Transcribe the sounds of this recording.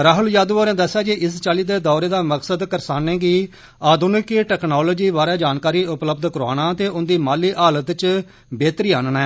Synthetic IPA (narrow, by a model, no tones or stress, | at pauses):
ɾaːɦʊljaːd̪ʋoːɾɛ̃ːd̪əsːaːd͡ʒeʔɪst͡ʃaːliːd̪eːd̪ɔːɾeːd̪aːməksəd̪kəɾsaːnẽːɡiː | aːd̪ʊnɪkeʈɛːknɔːloːd͡ʒiːʋaːɾaːd͡ʒaːnkaːɾiːʊpləbd̪kəɾaːɽ̃aːt̪eːʔʊnd̪iːmaːliːʔaːlət̪t͡ʃ | beːt̪ɾiːaːnnɛː